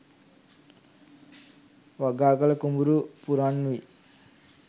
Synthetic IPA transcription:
ʋaɡaːkɐlɐkumuɾupuɾanːui

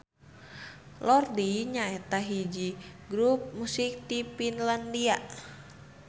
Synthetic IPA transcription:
lɔrdiɲaɛt̪aɦid͡ʒiɡɾup̚musik̚t̪ipinlandia

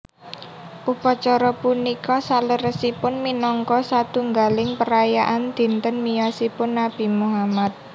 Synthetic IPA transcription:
ʔupɔt͡ʃɔɾɔpunikɔsaləɾəsipʊnminɔŋkɔsat̪uŋɡalɪŋpəɾajaʔand̪̥i̤nt̪ənmijɔsipʊnːab̥i̤muɦamat̪̚

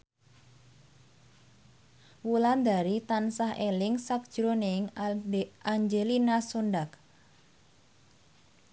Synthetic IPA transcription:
wuland̪aɾit̪ansaɦelɪŋsak̚d̥ʒ̥ɾonɪŋ | aɲd͡ʒelinasonɖak

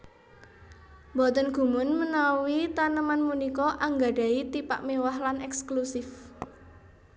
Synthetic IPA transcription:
bɔt̪ənɡ̥ṳmʊnmənawit̪anəmanmunikɔʔaŋɡa̤ɖ̥a̤it̪ipa̰ʔmewahlanɛksklusɪf

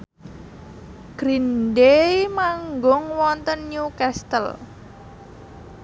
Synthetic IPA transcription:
ɡ̥ɾindemaŋɡʊŋwɔnt̪ənjukɛst̪ə̰l

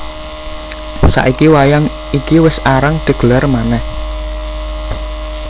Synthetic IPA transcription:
sa̰ʔikiwajaŋ | ikiwɪsaɾaŋd̥ə̤ɡ̥əlarmanɛh

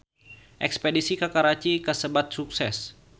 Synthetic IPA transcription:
ʔɛ̰kspedisikakaɾat͡ʃikəsəbat̪̚suksɛs

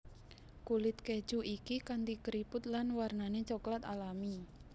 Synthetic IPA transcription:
kulɪt̪̚ke̥d͡ʒ̥uʔikikand̪ikəɾipʊt̪̚lanwarnanet͡ʃɔklat̪alami

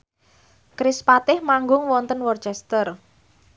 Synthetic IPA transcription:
kɾɪspat̪ɪhmaŋɡʊŋwɔnt̪ənwɔrt͡ʃɛst̪ər

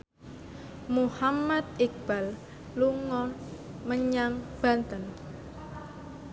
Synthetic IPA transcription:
muhamat̪̚ik̚b̥al | luŋɔməɲaŋb̥a̤nt̪ən

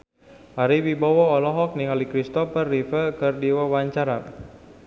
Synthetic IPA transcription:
ʔaɾiwibawɔɔlɔɦɔk̚niŋalikɾist̪ɔfərːifəlkərdiwawaɲt͡ʃaɾa

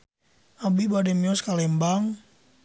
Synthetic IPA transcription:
abibadɛmiɔskalɛmbaŋ

